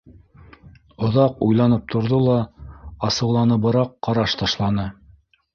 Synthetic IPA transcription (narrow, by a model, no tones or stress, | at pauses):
ŏðɑqujlˠɑnɤp̚t̪ʰŏɾðolˠɑɑsɤ̆wlˠɑnɤbɤ̆ɾɑqːɑɾɑʃt̪ɑʃlˠɑnɤ